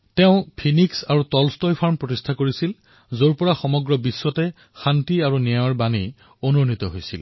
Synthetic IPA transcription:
tɛʊ̃pʰiniksaɹutɔlstɔjpʰaɹmpɹotistʰakoɹisil | zoɹpɔɹaxɔmɔɡɹɔbiswɔtɛ | xantiaɹuniaɔɹbanḭ | onunit̪ɔɦojsḭl

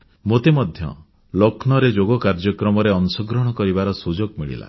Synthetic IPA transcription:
mot̪emɔd̪ʱjɔ̰ | lokʰnɔɾed͡ʒoɡɔkaɾd͡ʒɔkɾɔmɔɾeɔnsɔɡɾɔɽ̃ɔkɔɾibaɾɔsud͡ʒoɡmiɭḭla̰

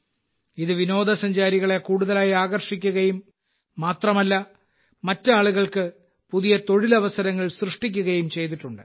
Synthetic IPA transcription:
iðɨʋino̞ːd̪ɐsɐɲd͡ʑaːɾiɣɐɭe̞kuːɽuðɐlaːjaːɣɐrʂikʲːuɣɐjumː | aːt̪rɐmɐlːɐ | mɐtːɨaːɭuɣɐɭkɨ | puðijɐt̪o̞ɻilɐʋɐsɐɾɐŋːɐɭsrɨʂʈikʲːuɣɐjumt͡ɕe̞jt̪̬iʈːuɳɖɨ

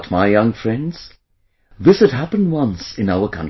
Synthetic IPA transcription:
t̚maɪjʌ̃ŋfɹɛ̃ndz̥ | ðɪshɨd̚ɦæpɨ̃nd̚wʌ̃nsɨ̃naʊə˞kʰʌ̰̃n

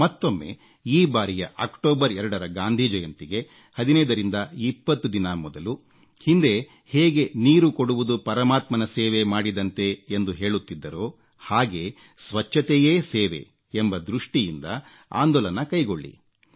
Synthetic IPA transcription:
mɐt̪ːo̞mːe̞̰ | iːbaːɾijɐʔakʈoːbɐɾɛɾɐɽɐɾɐɡaːnd̪ʱid͡ʒɐjɐnt̪iɡe̞ | hɐd̪inɐjd̪ɐɾind̪ɐipːɐt̪ːud̪inɐmɔd̪ɐlu | hind̪e̞ | heːɡe̞niːɾukoɽuʋud̪upɐɾɐmaːt̪mɐnɐseːʋe̞maːɽid̪ɐnt̪e̞ːnd̪uɦe̞ːɭut̪ːid̪ːɐɾo̞ː | haːɡe | sʋɐt͡ʃːɐt̪eje̞ːseːʋḛ | embɐd̪ɾuʂʈijind̪ɐ | a̰ːnd̪ɔːlɐnɐkɐjɡoɭːḭ

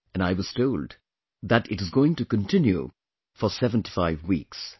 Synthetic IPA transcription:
ɨ̃naɪwʌz̥tʰoʊld | ðætɪɾɨzɡoʊɪ̃ŋtukə̃ntʰɪ̃njṵ | fɔsɛvə̃nti̥faɪvwḭks

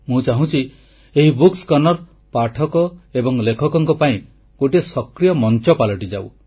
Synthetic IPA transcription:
mũt͡ʃaɦũt͡ʃʰi | eɦibukskɔnɔɾ | paʈʰɔkɔebɔŋlekʰɔkɔŋkɔpaĩ | ɡoʈiesɔkɾijɔmɔnt͡ʃɔpalɔʈid͡ʒaw̰

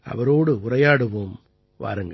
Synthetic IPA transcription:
ɐ̰ʋɐɾoːɽɯʊɾɐjaːɽɯʋoːm | ʋa̰ːɾɯŋɡɐ

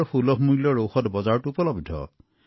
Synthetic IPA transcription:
ɹxulɔɦmujlɔɹowxɔtbɔzaɹtuupɔlɔbdʱɔ̰

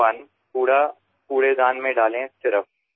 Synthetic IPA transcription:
an | puːɽa | puːɽed̪aːnmẽɖaːlẽsɪɾəf

